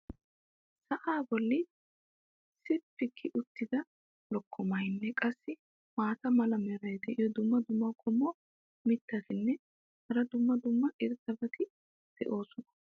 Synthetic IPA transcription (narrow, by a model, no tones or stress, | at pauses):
sɐʔaːbɔlːɪ | sɪpːɪkʰːɪʔʊt̪ːɪd̪ɐ | lɔkʰːɔmɐjnːɛkʼɐsːɪ | maːt̪ɐmɐlɐmɛɾɐjd̪ɛʔɪjɔd̪ʊmːɐd̪ʊmːɐkʰʼɔmːɔ | mɪt̪ːɐt̪ɪnːɛ | hɐɾɐd̪ʊmːɐd̪ʊmːɐʔɪɾt̪ːɐbɐt̪ɪ | d̪̥ɛ̰ʔo̞ːsɔnɐ̥